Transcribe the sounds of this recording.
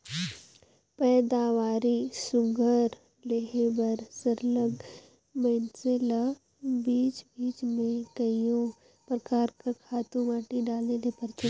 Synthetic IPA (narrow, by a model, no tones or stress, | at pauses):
pɛːd̪aːʋaːɾisʊɡʱəɾ | leɦebɐɾsəɾləɡ | mɐɪnsela | biːt͡ʃbiːt͡ʃmẽkɐijõ | pɾɐkaːɾkɐɾkʰaːt̪ũmaːʈiɖaːlnelepɐɾt͡ʃə